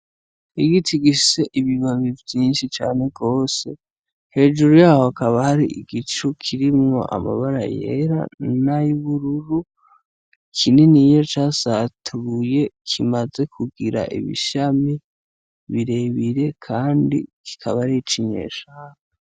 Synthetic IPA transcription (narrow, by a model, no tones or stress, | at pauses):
iɡitʰiɡise̞ʔiβiβaβivjiːnʃit͡ʃa̰ːne̞ɡo̞ːse̞ | he̞ːd͡ʒuɾujaːhohakaβahaɾiʔiɡit͡ʃukʰiɾimŋo̞̰ʔa̰ma̰βaɾa̰jḛɾa̰naiβuɾuɾu | kʰinenijo̞t͡ʃasatʰuuje̞kʰimaze̞kʰuɡiɾa̰ʔḭβḭʃami | βiɾe̞βiɾe̞kʰaːndḭki̥kʰaβaɾit͡ʃiɲe̞̰ːʃaːŋa